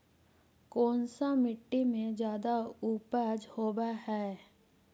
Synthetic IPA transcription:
koːnsamɪʈːimẽd͡ʒjaːd̪auːpəd͡ʒhoːbaɦɛː

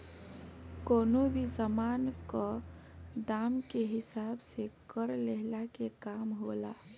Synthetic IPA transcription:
konobʱisəmankɔ | d̪amkeɦisabsekəɾleɦlakekamɦola

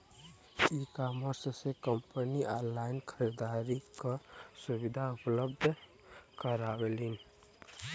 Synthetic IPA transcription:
ikaməɾssekəmpəniʔalaɪnkʰəɾid̪aɾikəsubid̪ʱaupləb̚d̪ʱ | kəɾabelin

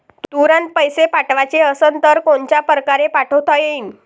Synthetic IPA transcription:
t̪t̪uɾənt̪̚pəjsepaʈʋat͡ɕeəsənt̪əɾkoɳt͡ɕjapɾəkaɾepaʈʰəwt̪ajein

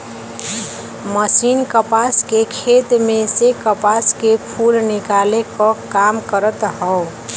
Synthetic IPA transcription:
məsinkəpaskekʰet̪mẽsekəpaskepʰulnɪkalekɔkamkəɾət̪ɦəo

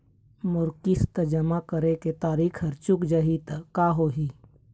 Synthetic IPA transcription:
mʊɾkɪst̪əd͡ʒəmakəɾeket̪aːɾiːkʰəɾt͡ʃʊkd͡ʒəɦit̪əkaːɦoɦiː

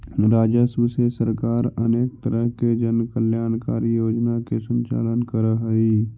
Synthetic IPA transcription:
ɾaːd͡ʒəsbsesəɾkaːɾəneːk̚t̪əɾəɦked͡ʒənkəljaːnkaːɾijoːd͡ʒnakesə̃ɲt͡ʃa̰ːlənkəɾəɦəi

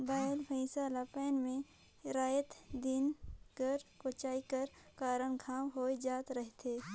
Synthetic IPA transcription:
baːelpʰəɪsaːlapɛːnmẽ | ɾaːjət̪d̪inkəɾkot͡ʃaːikəɾkaːɾənkʰaːwɦoːid͡ʒaːt̪ɾəɦt̪ʰeː

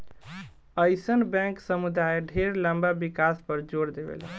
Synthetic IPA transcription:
əjsənbɛ̃ŋksəmud̪aeɖʱeɾləmbabikaspəɾd͡ʒoɾd̪ebḛl

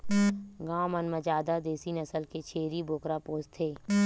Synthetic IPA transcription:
ɡãːmənməd͡ʒaːd̪ad̪eːsinɐsəlket͡ʃʰeːɾibʱoːkɾapoːst̪ʰeː

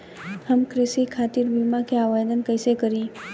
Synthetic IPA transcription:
həmkɾɪsikʰaːt̪iɾbiːmakeaːʋajd̪ənkəɪsekəɾĩ

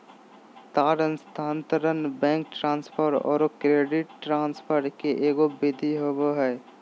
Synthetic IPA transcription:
t̪aːɾənst̪ʰaːnt̪əɾənbɛ̃ːŋk̚ʈɾãːnspʰəɾɔ̰ːɾkɾeːɖɪʈːɾãːnspʰəɾʈkeʔeːɡobɪd̪ʱiɦoboɦɛː

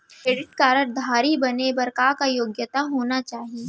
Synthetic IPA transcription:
kɾeːɖɪʈkaːɾəɾd̪ʱaːɾibɐnebɐɾkakajoːɡjət̪aɦoːnat͡ʃaːɦie

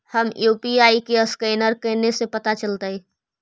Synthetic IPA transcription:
həmjuːpiaːikeəskɛːnəɾkəːnesepət̪at͡ʃəlt̪ai

